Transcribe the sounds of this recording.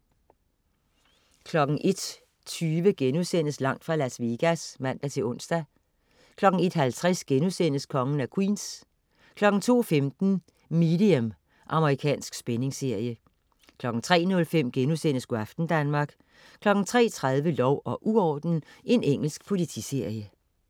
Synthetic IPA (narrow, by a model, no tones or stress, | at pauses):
kʰlɒ̽ɡ̥n̩ʔe̝d̥ | t͡sʰyːʋəɡ̥enusen̰əslɑ̈ŋ̰d̥fʁɑ̈læsʋiɡ̥æsmæn̰d̥æt͡sʰe̝ɔ̽n̰sd̥æ | kʰlɒ̽ɡ̥̩e̝d̥ɦælt͡sʰʁɛsɡ̥enuðsen̰əskʰɒ̽ŋən̩ækʰwḭːns | kʰlɒ̽ɡ̥n̩t͡sʰo̝̰ːfemd̥n̩ | miːd̥iem | ʔɑ̈məʁikʰɛ̰ːnsɡ̥sb̥ene̝ŋse̝ɐ̰jə | kʰlɒ̽ɡ̥n̩t͡sʰʁɛ̰ːnɔ̽lfem̰ɡ̥enuðˠsen̰əsɡ̥uæfd̥n̩d̥ænmɑ̈ːɡ̥ | kʰlɒ̽ɡ̥n̩t͡sʰʁɛ̰ːt͡sʰʁað̞ˠʋəlɒʊɒ̽ʔuɒ̰ːd̥n̩ʔe̝neŋ̰l̩sɡ̥̚pʰo̝lit͡sʰḭse̝ɐ̰jə